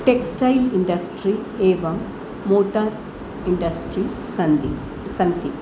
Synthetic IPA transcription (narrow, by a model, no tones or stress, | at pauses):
ʈeksʈɐjliɳɖɐsʈɾieːʋɐmː | oːʈaɾ | iɳɖɐsʈɾi | sɐnd̪i | sɐnt̪i